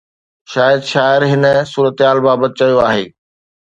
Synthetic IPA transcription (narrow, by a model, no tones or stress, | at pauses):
ʃaːjəd̪ʃaːɪɾɦɪnə̆suːɾət̪ɦaːlbaːbət̪̚t͡ɕɐjoaːɦḛː